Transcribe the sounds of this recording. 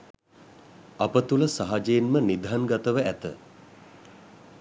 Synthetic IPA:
apət̪uləsaɦad͡ʒejenmənid̪ʱɦanɡat̪əʋəæt̪ə

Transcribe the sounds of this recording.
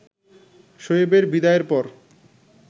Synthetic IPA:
ʃojebeɾbid̪aeɾpɔɾ

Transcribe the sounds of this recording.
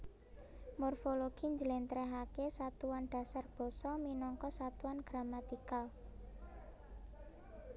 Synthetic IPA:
mɔrfoloɡ̥i̤ɲd͡ʒəlɛnt̪ɾɛɦakesat̪uwanɖ̥a̤sarb̥ɔ̤sɔminɔŋkɔsat̪uanɡ̥ɾamat̪ikal

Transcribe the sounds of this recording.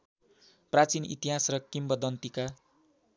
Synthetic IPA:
prat͡sinḭt̪iɦasrʌkimbʌd̪ʌnt̪ika

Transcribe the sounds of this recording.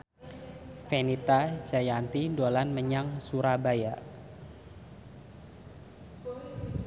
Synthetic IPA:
fenit̪ad͡ʒajant̪idolanməɲaŋsuɾabaja

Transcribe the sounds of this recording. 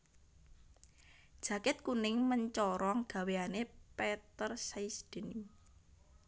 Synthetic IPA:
d̥ʒ̥ä̤kɪt̪̚kunɪŋməɲt͡ʃɔɾɔŋɡ̥a̤weanepɛt̪ərsaisd̪̥ən

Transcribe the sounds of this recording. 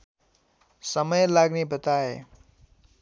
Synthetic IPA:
sʌmʌjlaɡnebʌt̪ae

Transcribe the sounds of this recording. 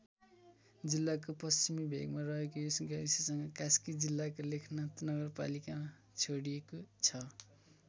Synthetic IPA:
d͡zilːakopʌst͡simibʱḛɡmarʌɦekojosʌŋɡaɾisesʌŋɡʌkaskid͡zilːakolekʰnʌt̪nʌɡʌrpa̰likama | t͡sʰoɽiekot͡sʰʌ

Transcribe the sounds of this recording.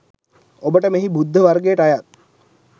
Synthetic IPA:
obəʈəmeɦibud̪ʱːəʋarɡejəʈajat̪̚

